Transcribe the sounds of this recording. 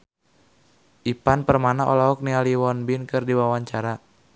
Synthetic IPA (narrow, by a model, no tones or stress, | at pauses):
ʔipanpərmanaʔɔ̰laɔk̚nialiwɔnbinkɨrdiwawaɲt͡ʃaɾa